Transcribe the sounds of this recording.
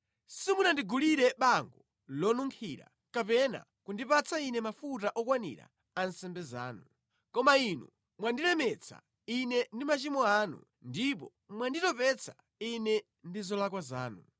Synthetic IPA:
simunandiɡuliɾɛɓaŋɡɔ | lɔnuŋkʰiɾa̰ | kapɛna̰ | kundipat͡sʰainɛmafutaʔɔkwanḭɾa̰ | ansɛmbɛza̰ːnu | kɔmainu | mwandilɛmɛt͡sʰa̰ | inɛndimat͡ʃimɔaːnṵ | ndipɔ | mwanditɔpɛt͡sʰḁ | inɛ | ndizɔlak̬wazaːnu

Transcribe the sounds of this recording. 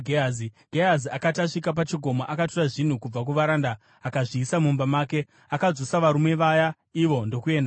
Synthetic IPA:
ɡʱeaziɡ̥ʱeaziakataʂikap̬at͡ʃiɡʱo̞maʔakatoraʐin̤ukub͡vak̬uʋaɾandaː | kaʐiːsamumbamaːke̞ | akad͡zosaʋaɾume̞ʋaja | iʋo̞ndo̞kue̞ːnda

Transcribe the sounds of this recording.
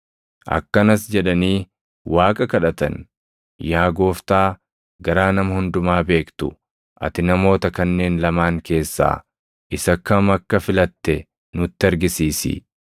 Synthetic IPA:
ʔɐ̰kːɐnɐsd͡ʒɛᶑɐniː | waːkʼɐkɐᶑɐt̪ɐ̰n | jaːɡo̞ːft̪aː | ɡɐɾaːnɐmɐhʊnd̪ʊmaːbe̞ːkt̪ʊ | ʔɐ̰t̪ɪnɐmo̞ːt̪ɐkɐnːe̞ːnlɐmaːŋke̞ːsːa̰ː | ʔɪsɐkːɐmɐkːɐfɪlɐt̪ːɛ | nʊt̪ːɪɐɾɡɪsiːsḭ

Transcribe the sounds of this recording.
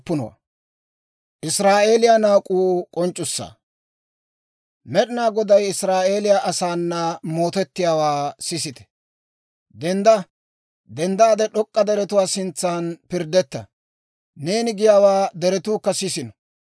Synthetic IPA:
pːʊnɔ̰wɐ̰ | ʔɪsɾaːʔe̞ːlɪjanaːkʼuːkʼɔnt͡ʃʼːʊsːa̰ː | mɛɗɪnaːɡɔd̪ɐjɪsɾaːʔe̞ːlɪjaʔɐsaːnːɐmo̞ːt̪ɛt̪ːɪjaːwaːsɪsɪt̪ɛ̥ | d̪ɛnd̪ɐ | d̪ɛnd̪aːd̪ɛɗɔkʼːɐd̪ɛɾɛt̪ʊwaːsɪnt͡sːaːnpɪɾd̪ɛt̪ːɐ̰ | ne̞ːnɪɡɪjaːwaːd̪ɛɾɛt̪uːkːɐsɪsɪnɔ

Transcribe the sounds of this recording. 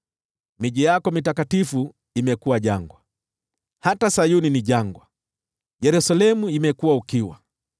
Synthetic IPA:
miʄijakɔmitakatifu | imɛkuwaʄaŋɡwa | hatasajuniniʄaŋɡwa | jɛɾusalɛmuimɛkuwaukiwa̰

